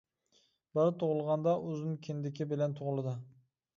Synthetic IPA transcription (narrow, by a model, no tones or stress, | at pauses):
bɪɾt̪ʰoʁʊlˠʁɑnd̪ɑʔʊznɪkʲʰɪnd̪ɪkʲɪbɪlɛnt̪ʰoʁlˠɨd̪ɨ